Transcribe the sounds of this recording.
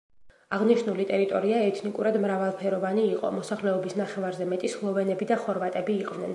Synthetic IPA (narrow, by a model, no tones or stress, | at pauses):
aʁniʃnulit̪ʼɛɾit̪ʼɔɾiaɛt̪ʰnikʼuɾad̪mɾavalˠpʰɛɾɔvaniːqʼɔ̰mɔsaχlɛɔbisnaχɛvaɾzɛmɛt̪ʼislˠɔvɛnɛbid̪aχɔɾvat̪ʼɛbiːqʼvnɛn